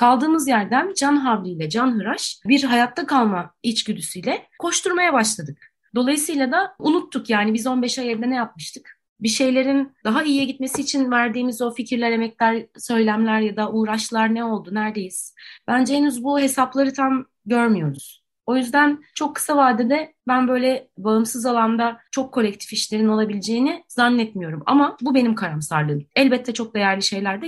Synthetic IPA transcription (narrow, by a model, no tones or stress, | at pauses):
kʰalˠd̪ɯːmɯzjæɾd̪ænd͡ʒanɦavlʲijlʲɛd͡ʒanɦɯɾaʃbiɾɦajat̪ʰːakʰalˠmait͡ʃɟyd̪ysyjlʲɛkʰo̞ʃt̪uɾmajabaʃlˠad̪ɯk̚ | d̪o̞lˠajɯsɯjlˠad̪aunut̪ʰːukjaːnibizo̞nbɛʃajɛɾd̪ɛnɛjap̚mɯʃt̪ʰɯk | biʃe̞jlʲe̞ɾind̪aɦaijjɛɟit̪me̞siːt͡ʃʰinvæɾd̪iːmizo̞ficʰiɾlʲæɾe̞mɛclʲæɾsø̞jlʲæmlʲæɾjad̪aʔuːɾaʃlˠaɾnɛo̞lˠd̪unæɾd̪e̞jiz̥bænd͡ʒɛenyzbuɦe̞saplˠaɾɯt̪ʰam | ɟøɾmyjo̞ɾuz̥ | o̞jyzd̪ænt͡ʃʰo̞kʰːɯ̥savaːd̪ɛd̪ɛbænbø̞jlʲɛbaɯmsɯzalˠand̪at͡ʃʰo̞kʰːo̞lʲɛc̚t̪ʰi̥fiʃlʲe̞ɾino̞lˠabilʲd͡ʒe̞jːinizanːɛt̪mijo̞ɾuma̰mabubenimkʰaɾamsaɾlˠɯːnɛlʲbɛt̪ʰːɛt͡ʃʰo̞k̚d̪e̞jæɾlʲiʃe̞jlʲæɾd̪ɛ